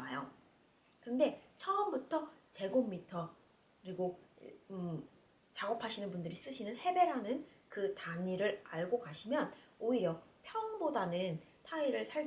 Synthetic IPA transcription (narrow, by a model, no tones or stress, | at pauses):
ajo | kɯnde̞t͡ɕʰʌʌmbutʰʌt͡ɕe̞ɡomːitʰʌ | kɯɾiɡo | t͡ɕaɡʌpʰaɕʰinɯnbundɯɾis͈ɯɕʰinɯnhe̞be̞ɾɦanɯnkɯtaɲiɾɯɾaɭɡokaɕʰimjʌnoiɾjʌpʰjʌŋbodanɯn | tʰaiɾɯɭsʰaɭ